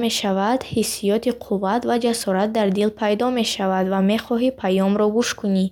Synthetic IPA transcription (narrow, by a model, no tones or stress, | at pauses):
me̞ʃavad̪̥hisːijɔt̪ʰiqʰuvːat̪vad͡ʒasɔɾat̪̚d̪aɾd̪ilpʰajd̪ɔme̞ʃavad̪vame̞χɔɦipʰajɔmɾɔɡuʃkuni